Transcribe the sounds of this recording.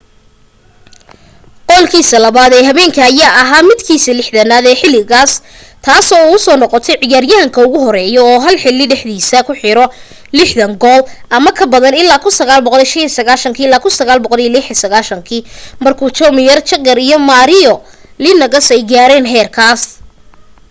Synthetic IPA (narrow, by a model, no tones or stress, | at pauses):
qɔːlkʰiːsɐlɐβaːðɛːɦɐβɛːŋkʰɐːjaːʔɐɦaːmɪd̪kʰiːsɐlɪħðɐnaːðɛːħɪlːɪɣaːs | t̪ʰaːsɔːʊsɔːnɔqɔt̪ʰɛjʕɪjaːrjɐɦɐŋkʰɐʊɣʊɦɔɾɛːjɔɔːɦɐlħɪlːɪɖɛħðiːsɐkʰʊħɪɾɔ | lɪħðɐŋɡɔːlʔɐmɐkʰɐbɐðɐnɪlːaːkʰʊnsɐɣaːlbɔqɔliʃɐnisɐɣaːʃɐŋkʰiːɪlːaːkʰʊnsɐɣaːlbɔqɔlijlɪħɪsɐɣaːʃɐŋkʰiːmɐrkʰuːt͡ʃɔmɪjɐrt͡ʃɐɡɐɾijɔmaːɾɪjɔ | lɪnɐɣɐsɛjɡaːɾɛːnɦɛːrkʰaːs